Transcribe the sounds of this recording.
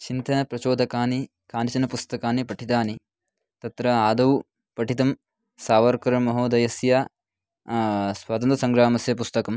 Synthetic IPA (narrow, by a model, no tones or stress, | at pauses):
t͡ʃint̪ɐnɐpɾɐt͡ʃoːd̪ʱɐkaːni | kaːnit͡ʃɐnɐpust̪ɐkaːnipɐʈʰit̪aːni | t̪ɐt̪ɾɐaːd̪ɐʋu | pɐʈʰit̪ɐm | saːʋɐɾkɐɾɐmɐɦoːd̪ɐjɐsjaː | sʋaːt̪ɐnt̪ɐsɐŋɡɾaːmɐsjɐp̬ust̪ɐkɐm